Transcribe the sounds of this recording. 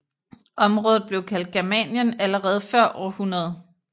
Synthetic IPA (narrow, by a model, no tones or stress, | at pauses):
ʔɒ̽mʁɔ̽ːð̩ˠb̥le̝ʊkʰæl̰d̥̚ɡ̥æɐmɛnjənæləʁɛːð̞̩ˠfɶɐ̰ʔɒ̰ːhunɐð̞̩ˠ